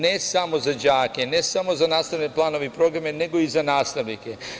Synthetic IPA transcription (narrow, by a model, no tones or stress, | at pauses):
nesamo̞zad͡ʑaːkene̞samo̞zanaːst̪aʋneplˠaːno̞ʋepɾo̞ɡɾamene̞ɡo̞izanaːst̪aʋnike